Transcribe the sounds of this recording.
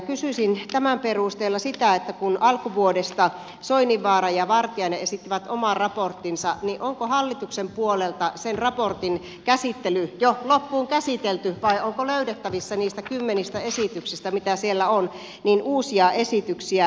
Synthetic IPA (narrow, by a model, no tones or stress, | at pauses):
kysysint̪æmæmperust̪eːlːɑsit̪æet̪ːækunɑlkuʋuodest̪ɑ | soiniʋːɑːrɑjɑʋɑrt̪iɑineesit̪ːiʋæt̪omɑrɑport̪ːinsɑniʔoŋkohɑlːit̪uksempuolelt̪ɑsenrɑport̪in | kæsit̪ːelyjolopːuːŋkæsit̪elt̪yʋɑiʔoŋkoløyɾet̪ːæʋisːɑniːst̪ækymːenist̪æesit̪yksist̪æmit̪æsielːæon | niːnʔuːsiɑʔesit̪yksiæ